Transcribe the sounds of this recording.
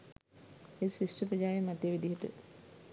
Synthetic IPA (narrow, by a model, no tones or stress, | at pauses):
esisʈəpɾəd͡ʑaːjemat̪jəʋid̪iɦəʈə̰